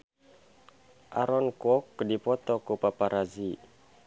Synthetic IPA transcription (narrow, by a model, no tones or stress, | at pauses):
ʔa̰ɾɔnkɔkdipɔt̪ɔkupapaɾʔazi